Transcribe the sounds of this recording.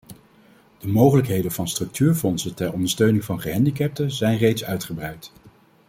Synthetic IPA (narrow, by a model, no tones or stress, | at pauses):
d̥əmowχələkɦejdənvɑnstrɵk̚tʰyːɹfɔnsətɛɹɔndəɹstøɥnɪŋvɑnχəɦɛndikɛp̚təzɛjnrejtsœɥtχəbrɛɥt